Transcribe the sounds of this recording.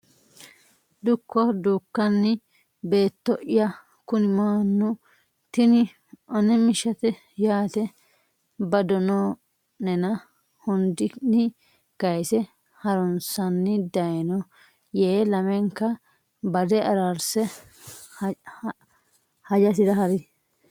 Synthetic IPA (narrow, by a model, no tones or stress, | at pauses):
d̪ʊkʰːɔd̪uːkːɐnːɪ | be̞ːt̪ːɔʔɪjɐ | kʊnɪmaːnːʊ | t̪ɪnɪ | ʔɔnɛmɪʃɐt̪ɛ | jaːt̪ɛ | bɐd̪ɔno | nɛnɐ | hʊnd̪ɪnɪ | ɡ̥ɐjsɛ | hɐɾɔnsɐnːɪd̪ɐjnɔ | jeːlɐmɛŋkːɐ | bɐd̪ɛɐɾaɾsɛ | hɐd͡ʒɐs̬ɪd̪ɐɦɐɾɪd̪